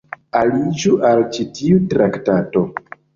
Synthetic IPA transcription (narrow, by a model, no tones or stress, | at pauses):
alid͡ʒuʔalt͡ʃitiutɾaktato̞